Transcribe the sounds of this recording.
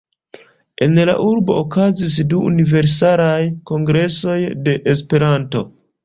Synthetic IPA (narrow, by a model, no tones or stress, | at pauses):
e̞nla̰ʔuɾbo̞̰okazis̬duṵnive̞ɾs̬alajko̞ŋɡɾe̞so̞jde̞ʔespe̞ɾanto̞